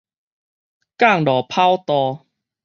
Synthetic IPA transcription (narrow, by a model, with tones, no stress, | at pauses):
ka˥˨ŋlɔ˨˩pʰa˦wt̪ɔ˧